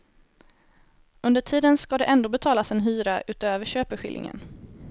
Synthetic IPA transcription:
ɵnd̪əʈʰiːd̪ənskad̪ɛʔɛnd̪oːbɛt̪ʰɑːlasɛnɦyːɾaʔʉ̟ːt̪øːvəɕøːpəɧɪ̰ljɪ̰ŋə̰n

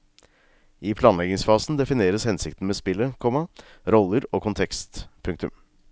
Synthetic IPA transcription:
ɪpʰlɑːnlɛɡɪŋsfɑːsn̩d̪ɛfɪneːɾəshɛnsɪkt̪ən̩meːspɪlːəkʰɔmɑɾɔlːəɾoːkʰʊnt̪ʰɛkst̪pʰʉŋk̚t̪ʉm

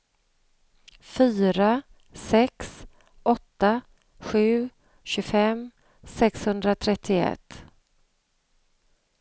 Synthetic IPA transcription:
fyːɾa | sɛks | ʔɔt̪ːa | ɧʉ̟ː | ɕɵfɛm | sɛkshɵnd̪ɾat̪ʰɾɛt̪ʰːɪɛ̰t̪ː

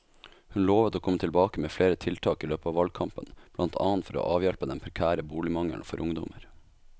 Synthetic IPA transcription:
hʉnloːʋət̪oːkʰɔmət̪ʰɪlbɑːkəmeːfleːɾət̪ʰɪlt̪ʰɑːkiːløːpəɑːʋɑlɡ̚kʰɑmpənb̥lɑnt̪ʰɑ̰ːnt̪fɔɾo̰ːʔɑːʋjɛlpəd̪ɛnpʰɾɛkʰæːɾəbuːlɪmɑŋə̰ɳfɔɾʔʊŋd̪ɔ̰məɾ

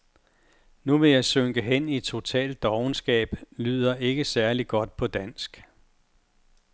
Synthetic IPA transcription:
nuʋe̝jɑ̈ɪsøŋɡ̥əɦen̰id̥̚t͡sʰo̝t͡sʰɛ̰ːld̥ːɒʊnsɡ̥ɛ̰ːb̥lyð̰ˠɐʔe̝ɡ̥əsæɐliɡ̥ɒ̽d̥̚pʰɒ̽d̥æn̰sɡ̥

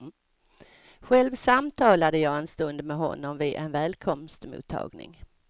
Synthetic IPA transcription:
ɧɛlvsamt̪ʰɑːlad̪əjɑːɛnst̪ɵnd̪mɛɦɔ̰nːɔmvɪd̪ʔɛ̰nvɛːlkʰɔmst̪mṵːt̪ʰːɑ̰ːɡnɪ̰ŋ

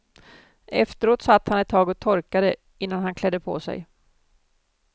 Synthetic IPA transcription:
ʔɛft̪əɾoːt̪sat̪ːhanɛt̪ʰːɑːɡɔt̪ʰɔɾkad̪ə | ɪnːanhankʰlɛd̪ːəpʰo̰sɛ̰j

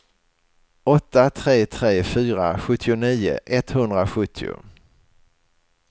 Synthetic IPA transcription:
ɔt̪ːat̪ʰɾeːt̪ʰɾeːfyːɾa̰ɧɵt̪ʰːɪʊniːʊ̰ʔɛt̪hɵnd̪ɾaɧɵt̪ʰːɪʊ̰

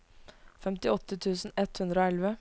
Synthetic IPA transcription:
fɛmt̪ɪɔt̪ːət̪ʰʉːsn̩ɛt̪hʉnd̪ɾəoːɛlʋə

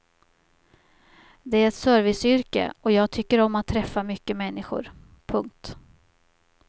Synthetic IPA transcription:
d̪ɛæɾɛt̪sœːɾvɪsʏɾkə̰ɔjɑːɡ̚t̪ʰʏkːəɾɔmːat̪ʰːɾɛfːamʏkːəmɛnːɪɧʊ̰ɾ | pʰɵŋk̚t̪

